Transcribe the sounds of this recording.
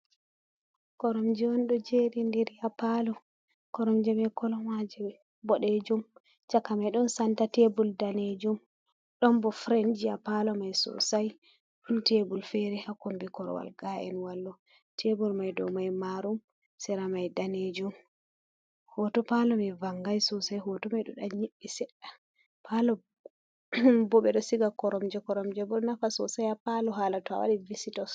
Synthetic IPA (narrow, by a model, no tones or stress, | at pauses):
kɔɾɔmd͡ʒɛɔnɗɔd͡ʒeɾindɛɾiapalɔ | kɔɾɔmd͡ʒɛmɛkɔlɔmwad͡ʒɛ | bɔɗed͡ʒum | t͡ʃakːamajɗɔnsantatebuldaned͡ʒum | ɗɔnbɔfɾɛnd͡ʒiapalɔmajsɔ̰saj | ɗuntebulfɛɾɛhakumbikɔɾɔ̰wa̰lɡaɛ̰nwalːɔ | tʰebulmajdɔ̰majmaɾum | sɛɾamajdaned͡ʒum | hɔtɔpalɔmɛvaŋɡajsɔsajɦɔtɔmajɗɔɗaɲiɓːisɛɗːa | pʰalɔ | bɔɓɛɗɔsiɡakɔɾɔmd͡ʒɛkɔɾɔmd͡ʒɛbɔnafasɔsajapalɔɦaːlatɔa̰wa̰ɗivisitɔs